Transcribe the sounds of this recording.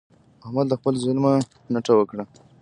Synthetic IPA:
mahmad̪d̪əxpəlzʊlma | naʈ͡ʂawəkɽa

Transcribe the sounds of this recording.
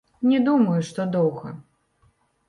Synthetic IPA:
nʲɛd̪umɐjuʂt̪ɔd̪ɔwɣɐ̰

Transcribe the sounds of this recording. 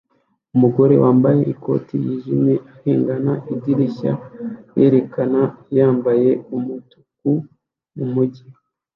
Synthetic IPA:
umuɡo̞ɾe̞̰wʔaːmbaje̞ʔiko̞̰ːtijiːʒimeʔaheːŋɡanaʔidiɾiça̰je̞ɾe̞kanajaːmbaje̞umutu̥k̚u | mumuɟi

